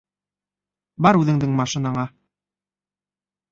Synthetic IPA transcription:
bɑɾʉðɘ̆ŋd̪ɘŋmɑʃĭnɑɴɑ

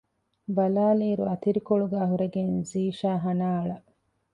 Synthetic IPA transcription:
bɐlaːliːɾuɐt̪iɾikoɭuɡæːɦuɾeɡenziːʃaːɦɐnaːɐɭɐ

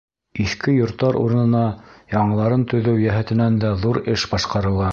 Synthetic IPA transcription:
iθkɘjŏɾt̪ːɑɾʔṵɾɤ̆nɤ̆nɑjɑɴɤ̆lˠɑɾɤnt̪ɵ̆ðɘwjæɦɘ̆t̪ɘ̆nænd̪æðuɾɘʃbɑʃqɑɾɤ̆lˠɑ

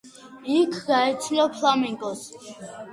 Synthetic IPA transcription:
ikʰɡaɛt̪sʰiɔpʰlamiŋɡʼɔs

